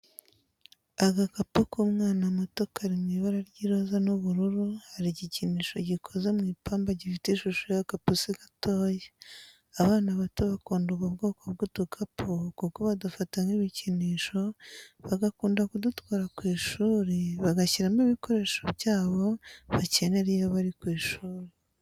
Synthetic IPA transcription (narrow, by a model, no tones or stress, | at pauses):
aɡakapukumŋaːnamotokaɾimŋiβaɾaɾɟiːɾo̞zanuβuɾuɾuhaɾiɟiciniːʃo̞ɟikʰo̞ze̞mŋiːpaːmbaɟifitiʃuʃojakapusiɡatoːje | aβaːnaβatoβakoːnduɡaβɡoːkoβ̚ɡudukʰapʰukukoβadufataŋɡiβiciniːʃo̞βaɡakuːndakudutwaːɾakwiːʃuːɾeβaɡaciɾamiβiko̞ɾe̞ːʃoβɟaːβo̞βace̞ne̞ɾijaβaɾikwiːʃuːɾe